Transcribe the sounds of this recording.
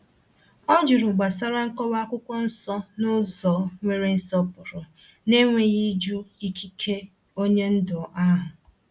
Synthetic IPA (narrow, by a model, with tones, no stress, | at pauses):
ɔ˦d͡ʒʊ˨ɾʊ˨ɡ͡ba˨sa˦ɾa˦ŋ̩˦kɔ˦wa˦kʷʊ˦kʷɔ˦n̩˦sɔ˦nʊ˦zɔ˨˦ŋʷe˦ɾe˦n̩˦sɔ˦pʊ˨ɾʊ˨ | ne˦ŋʷe˨ɣi˦d͡ʒu˦i˦kʰi˦kʰe˦ | o˦ɲe˦n̩˦dʊ˨ʔa˦ɦʊ˨